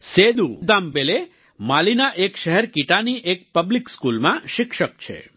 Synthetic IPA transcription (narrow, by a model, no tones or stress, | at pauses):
sed̪ud̪ambele | malinaʔekʃəɦɛɾkiʈaniʔek̚pəblikskulmãʃɪkʃək̚t͡ʃʰḛ